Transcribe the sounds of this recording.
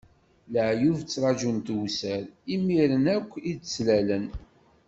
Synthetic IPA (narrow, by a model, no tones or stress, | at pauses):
ləʕjuvt͡sːɾˤɑʒunt̪wsəɾimiɾənækʷːid̪t͡sːlælən